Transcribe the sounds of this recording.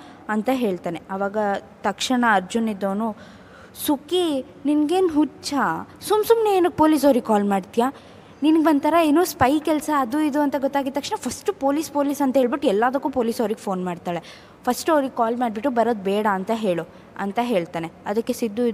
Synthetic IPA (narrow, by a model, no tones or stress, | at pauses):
ɐnt̪ɐɦe̞ːɭt̪aːneɐʋaːɡɐt̪ɐkʂɐɳɐːɾd͡ʒunid̪ːoːnu | suki | ninɡe̞ːnɦut͡ʃɐsumsumneeːnɐɡ̚po̞ːliːs̬ɐwɾiɡ̚kaːlmaːɖt̪ija | ninɡbɐnd̪̚t̪ʰɐɾɐeːnuːspɐjkɛlsɐːd̪uid̪uɐnt̪ɐɡɔt̪ːaːɡid̪ɐkʂɳɐpʰɐsʈupo̞ːliːspo̞ːliːsɐnt̪ɐɦeːɭbiʈːuɛlːaːʋd̪ɐkːuːpoːliːsɐʋɾiɡepʰo̞ːnmaːɖt̪aːɭe | pʰɐsʈɐwɾiɡkaːlmaːɖbiʈːubɐɾoːd̪̚bɛːɽɐːnt̪ɐɦe̞ːɭu | ɐ̰nt̪ɐɦe̞ːɭt̪aːneɐd̪ɐkːesid̪ːuid̪